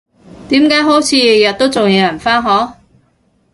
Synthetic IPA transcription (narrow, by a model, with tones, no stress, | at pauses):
t̪iː˨˥mkaː˨˥jɦo˨˥wt͡sʰiː˨˥jjɐ˨t̚t̪o˥wt͡sʊ˨ŋjɛː˨˧jɐ˨˩nfaː˥nɦɔː˨˥